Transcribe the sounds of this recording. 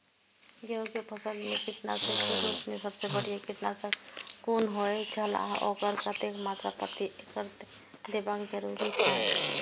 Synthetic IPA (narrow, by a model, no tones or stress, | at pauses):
ɡeokepʰəsəlmẽkiʈna̰sẽkiɾismesəbsebəɽijakiʈnasəkonɦojd͡ʒʰʱəla̰o̰ɡəɾkat̪ekmat̪ɾapət̪iʔekəɾt̪ | d̪ebakɡəɾuɡit͡ʃʰa